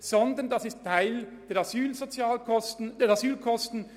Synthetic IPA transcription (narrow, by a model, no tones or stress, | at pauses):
z̥ɔnd̪əndɑsɪstʰːaɪl | d̥ɛːɾɑzyːlzot͡sjaːlkʰɔstn̩d̥ɛːɾɑzyːlkʰɔstn̩